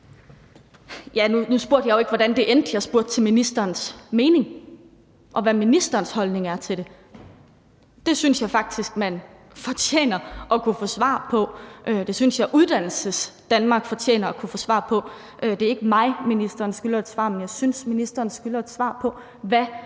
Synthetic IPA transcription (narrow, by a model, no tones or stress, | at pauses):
jænunusb̥u̝ɐd̥jɑ̈joe̝ɡ̥ʋɒɾ̥ænd̥e̝ʔend̥jɑ̈ɪsb̥uɐ̰d̥̚t͡sʰe̝lminisd̥ɐːnsme̝ːne̝ŋ | ʔɒ̽ʋæminisd̥ɐːnshɒ̽lne̝ŋæɐt͡sʰe̝ɾ̥e̝ | d̥e̝synsjɑ̈ɪfɑ̈ɡ̥̚d̥isɡ̥mæn | fɒ̽t͡sʰjḛːnɐʔɒ̽kʰufɔ̰sʋɑ̰̈pʰɒ̽ʔød̥e̝synsjɑ̈ɪʔuð̞ˠd̥æn̰l̩səsd̥ænmɑ̈ːɡ̥fɒ̽t͡ɕʰjḛːnɐɒkʰufɔ̽sʋɑ̰̈pʰɒ̽ | ʔød̥e̝æɐe̝ɡ̥əmɑ̈ɪminisd̥ɐːnsɡ̥ylɐe̝d̥sʋɑ̰̈ːmenjɑ̈ɪsynsminisd̥ɐːnsɡ̥ylɐe̝d̥sʋɑ̰̈ːpʰɒ̽ | ʋæ